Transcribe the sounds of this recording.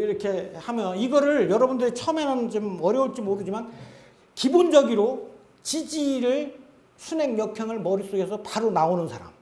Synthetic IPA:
iɾʌkʰe̞hamjʌniɡʌɾɯɭjʌɾʌbundɯɾit͡ɕʰʌʌmenɯnt͡ɕomʌɾjʌuɭt͡ɕ͈imoɾɯd͡ʑiman | kibond͡ʑʌɡiɾo | t͡ɕid͡ʑiɾɯɭ | sʰune̞ŋjʌkʰjʌŋɯɭmʌɾis͈oɡesʰʌpaɾunaonɯnsʰaɾa̰m

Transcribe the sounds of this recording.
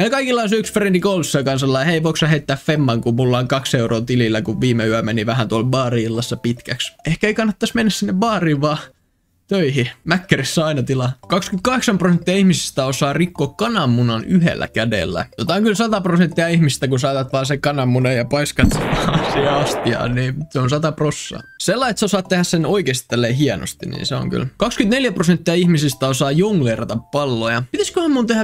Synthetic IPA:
meilkɑikilːɑnsyksfrendikoulsːɑkɑnsɑlːɑjheiʋoiksɑhet̪ːæːffemːɑŋkumulːɑːŋkɑkseurʔoːt̪ililːækuʋʋiːmeyæmeniʋæhænt̪uolbɑːriːlːɑsːɑpit̪kæksehkæeikɑnːɑt̪ːɑsmenːæssinːeʋʋɑːriːʋʋɑː | t̪øihimækːærisːæɑinɑt̪ilɑkɑkskymt̪kɑheksɑmprosent̪ːiɑihmisi̥st̪æosɑːrikːoːkkɑnɑmːunɑnyhḛlːæ̰kædḛlːæ̰jot̪ɑoŋkylsɑt̪ɑprosent̪ːiɑihmist̪ækunsɑːt̪ɑt̪ʋɑːsekɑnɑmːunejɑpɑiskɑt̪seʋɑsiheɑst̪iɑ̰ːniːseonsɑt̪ɑprosːɑ̰selːɑiet̪seosɑːt̪t̪ːehæssenoikeːst̪ːelːeɦieno̰st̪inḭːnseo̰ŋky̰lkɑkskynt̪neljæprosent̪ːiɑihmisist̪æosɑːjoŋlerɑt̪ɑppɑlːojɑpit̪æskøhæmːunt̪ehæ

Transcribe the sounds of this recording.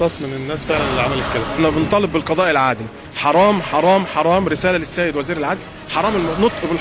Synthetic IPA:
ɑsˤmɪnɪnːæːsfeʕlænʔlʕamælɪkːælænːæbent̪ˤɑːleb̚ɪlqɑd̪ˤɑːʔɪlʕaːd̪ɪ | ħɑɾˤɑːmħɑɾˤɑːmħɑɾˤɑːmɾɪsæːlælɪsːæːjɪd̪wæziːɾɪlʕaːd̪l | ħɑɾˤɑːmɪlmnot̪ˤʔbel

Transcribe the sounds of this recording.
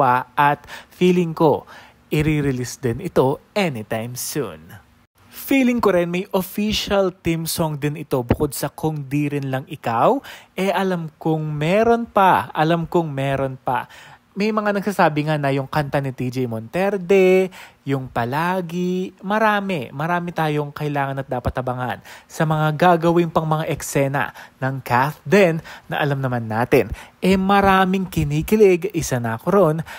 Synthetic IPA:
aʔɐt̪fiːlɪŋko̞ | ʔɪɾiɾɪlisd̪ɪnɪt̪o̞ʔɛnɪt̪ajmsṵn | fiːlɪŋkoɾɪnmɐjʔofiʃɐlt̪imsoŋd̪ɪnɪt̪o̞bʊko̞d̪̚sɐkʊŋd̪iɾɪnlɐŋʔɪkawʔɛʔɐlɐmkoŋmɛɾo̞npɐʔɐlɐmkoŋmɛːɾo̞npɐ̰ | mɐjmɐŋanɐɡsaːsaːbɪŋanɐjʊŋkɐnt̪anɪt̪id͡ʒɛjmont̪ɛɾd̪ɛjʊŋpɐlaːɡɪmɐɾaːmɛmɐɾaːmɪt̪aːjo̞ŋkɐʔɪlaːŋɐnɐt̪̚d̪aːpɐt̪ːɐbɐŋa̰nsɐmɐŋaɡaːɡɐwɪŋpɐŋmɐŋaʔɛksɛnɐ̰nɐŋkaθd̪ɛnːɐ̰ʔɐlɐmnɐmanːaːt̪ɪnʔɛmɐɾaːmɪŋkɪniːkɪlɪɡʔɪsɐnakoɾo̞n

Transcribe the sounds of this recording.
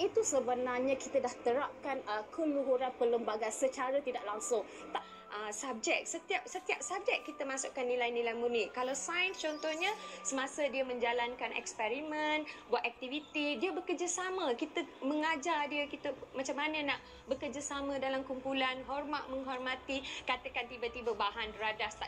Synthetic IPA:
it̪usəbənarɲakit̪ədaht̪əɾap̚kanəkəluɦuɾanpələmbaɡansət͡ʃaɾət̪idaʔlaŋsʊŋ | t̪aʔ | ʔəsab̚d͡ʒɛk̚sət̪iap̚sət̪iap̚sab̚d͡ʒɛkːit̪əmasʊʔkanːilajnĩlajmuniʔkːalawsajənst͡ʃɔnt̪ɔhɲəsəmãsədiəmə̃ɲd͡ʒalankanɛ̰kspɛɾimə̃nbuat̪ɛk̚t̪ivit̪idiəbəkərd͡ʒasaməkit̪əməŋad͡ʒardiəkit̪əmat͡ʃamːanənaʔ | bəkərd͡ʒasamə̃dalamkumpulanɦɔrmaʔmə̃ŋɦɔrmãt̪ikat̪əkant̪ibət̪ibəbaɦanbɾadast̪a

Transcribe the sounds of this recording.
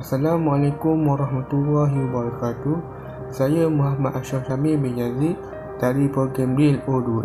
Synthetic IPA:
asalamwalakumwaɾɑɦmat̪ulːɑɦibaɾɑkat̪u | sajəmuɦamaʔ̪aʃɔfsamibiɲd͡ʒazid̪̚ | d̥aɾipoɡambɾilodu

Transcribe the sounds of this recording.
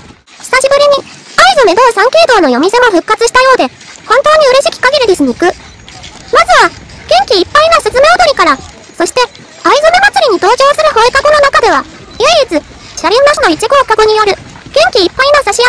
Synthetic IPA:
ɕi̥saɕibɯ̟ɾʲiɲ̟iaizo̞me̞d̪o̞ːsãŋke̞ːd̪o̞ːno̞jo̞mʲise̞mo̞ɸɯ̟kːat͡sɨɕi̥t̪ajo̞ːd̪e̞ | hõ̞nt̪o̞ːɲ̟iɯ̟ɾe̞ɕi̥kʲi̥kaɡʲeɾɯ̟d̪esɨɲiikɯ̟ | mazɨβaɡ̥ẽ̞ŋkʲiːpːainasɨt͡sɨme̞o̞d̪o̞ɾʲikaɾa | so̞ɕi̥t̪e̞ | aizome̞mat͡sɨɾʲiɲ̟it̪o̞ːd͡ʑo̞ːsɨɾɯ̟ho̞ekaɡo̞no̞nakad̪e̞β̞a | jaiit͡sɨ | ɕaɾʲiɯnaɕino̞it͡ɕiɡo̞ːkaɡo̞ɲ̟ijo̞ɾɯ̟ | ɡ̥ẽ̞ŋkʲiːpːainasaɕija

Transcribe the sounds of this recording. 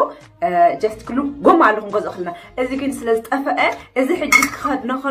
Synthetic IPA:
d͡ʒɐst̪kʰɨluɡomːalːɐxumɡozɨʔɨxɨlnaʔɨziɡɨnsɨlɐzɨt̪ʼɐfɐʔɐʔɨziħɨd͡ʒːit̪kʰɨ̥xɐd̪nɐxɐ

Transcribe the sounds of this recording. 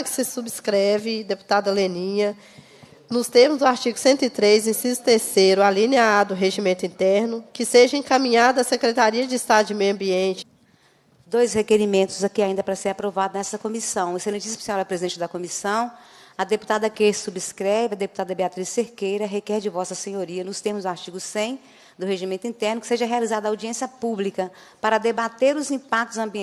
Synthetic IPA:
ɐkɪ̥sɪsubɪskɾɛvɪd̪epu̥t̪ad̪ɐlenĩɲɐ | nʊst̪eɾmʊzd̪ʊaɾt͡ʃiɡʊsẽnt̪ʊɪt̪ɾejzẽsizʊt̪eɾsejɾʊaliniaad̪ʊɦeʒimẽnt̪ʊĩnt̪ɛɾnʊkɪseʒɐẽŋkɐ̃mĩɲad̪ɐɐsekɾet̪aɾiɐd͡ʒɪist̪ad̪ʊɪmejɐ̃mbiẽnt͡ʃɪ̥ | d̪ojshekeɾimẽnt̪ʊzakiaĩd̪ɐpɾɐseɾapɾovad̪ʊnɛsɐkõmisɐ̃w̃eselẽt͡ʃisi̥mʊseɔwɾɐpɾezid̪ẽt͡ʃɪd̪ɐkõmisɐ̃w̃ | ɐd̪epu̥t̪ad̪ɐkesubɪskɾɛvɪɐd̪eput̪ad̪ɐbeat̪ɾiseɾkejɾɐɦekɛɾd͡ʒɪvɔsɐsẽɲoɾiɐnʊst̪eɾmʊzaɾt͡ʃiɡʊsẽj̃ | d̪ʊɦeʒimẽnt̪ʊĩnt̪ɛɾnʊkɪ̥seʒɐɦealizad̪ɐawd͡ʒiẽsiɐpublikɐ | paɾɐd̪ebat̪eɾʊzĩpak̚t̪ʊzɐ̃mbĩ

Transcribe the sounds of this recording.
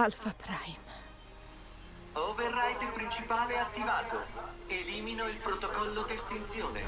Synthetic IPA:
alfapɾajm | overːajt̪epɾint͡ʃipaːleat̪ːivaːt̪oeliːminoilpɾot̪okɔlːod̪est̪int̪sjoːnḛ

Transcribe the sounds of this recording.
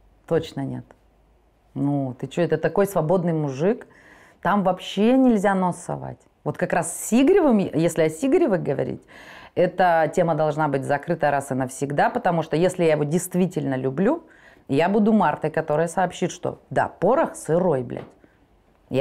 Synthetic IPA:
t̪o̞t͡ɕnənʲe̞̰t̪ | nut̪ɨt͡ɕoɛt̪ət̪ɐko̞jsvɐbo̞d̪nɨjmʊʐɨk | t̪amvɐpɕːenʲɪlʲzʲanosɐ̰va̰tʲ | vo̞t̪kɐkɾasʲiɡɾʲɪvɨmjesʲlʲɪɐsʲiɡɾʲɪvɨɣɡəvɐ̰ɾʲḭtʲɛt̪ətʲe̞məd̪ɐlˠʐnabɨtʲzɐkɾɨt̪əɾasɨnəfsʲɪɡd̪apət̪ɐmuʂt̪ojesʲlʲɪjajɪvo̞dʲɪjst̪vʲitʲɪlʲnəlʲʊblʲu | jabud̪ʊmart̪əjkɐt̪o̞ɾɨjəsɐːpɕːit̪ʂt̪o̰d̪a̰poɾəxsɨɾo̞jblʲɛ̰tʲ | j

